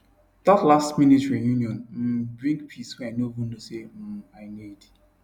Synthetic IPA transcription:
ðatlastmĩnitɹĩnjunjɔ̃nm̩bɹĩŋɡpʰiswɛaɪnovũn̩dosem̩aɪnid

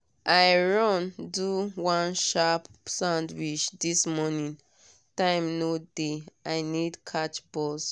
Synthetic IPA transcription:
ʔaɪɹɔ̃nduwãnʃapsãndwit͡ʃdismɔnĩn | tãɪ̃mnodeaɪnidkʰat͡ʃbɔs

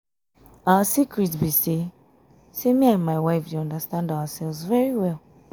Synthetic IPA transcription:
awəsikɹitbise | semĩãnmaɪwaɪfjuɔ̃ndəstãndawasɛlvzvɛɹiwɛlˠ

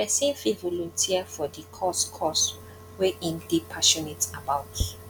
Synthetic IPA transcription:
ɛsẽfĩvɔlɔ̃ntʰiafɔdikʰɔskʰɔs | weʔĩndipʰaʃɔnitabawt

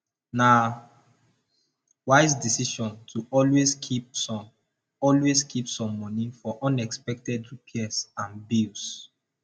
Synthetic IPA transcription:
na | waɪsdisiʃɔ̃ntʰuɔlwesʰi | ɔlweskʰipsɔ̃mːɔnifɔʔɔ̃nɛkspɛk̚tɛdupʰiɛsãnbils

